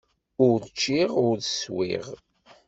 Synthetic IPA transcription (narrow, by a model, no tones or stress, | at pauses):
ʊɾðt͡ʃːiʁʊɾðəswḭʁ